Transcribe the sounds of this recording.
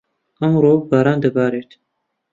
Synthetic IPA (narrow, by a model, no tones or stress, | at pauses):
ʔɐmɾoːbaːɾaːnd̪əbaːɾeːt̪